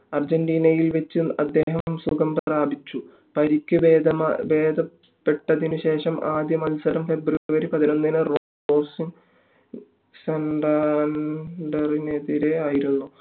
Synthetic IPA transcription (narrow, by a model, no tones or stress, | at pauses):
ɐrd͡ʑenɖiːnɐjilʋet͡ɕːɨɐ̰d̪ːe̞ːɦɐmsuɡɐmbɐɾaːbʱit͡ɕːu | pɐɾikʲːɨbeːd̪ɐmabe̞ːd̪ʱɐ | pːe̞ʈːɐðinɨɕe̞ːʂɐmʔaːd̪jɐmɐlsɐɾɐmfe̞bruɾʋɐɾipɐðino̞nːinɨroː | oːsiŋ | seɳɖɐ | ɖɐrineðiɾe̞aːjiɾunːu